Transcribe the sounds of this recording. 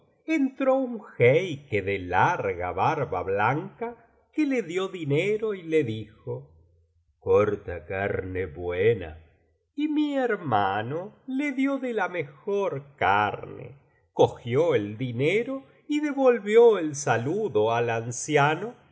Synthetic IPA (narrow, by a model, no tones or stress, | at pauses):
ent̪ɾouŋxejkeðelaɾɣaβaɾβa̰βlaŋka | keleðjoðineɾoileðixo | koɾt̪akaɾneβwena̰ | imieɾmanoleðjoðelamexoɾkaɾnḛ | koxjoeld̪ineɾo | iðe̞βolβjoelsaluðoalansjano